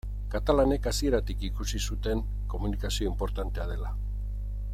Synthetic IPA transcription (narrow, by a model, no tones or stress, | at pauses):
kat̪alane̞kasie̞ɾat̪ikikusisut̪e̞ŋ | ko̞munikasio̞impo̞ɾt̪ant̪e̞að̞e̞la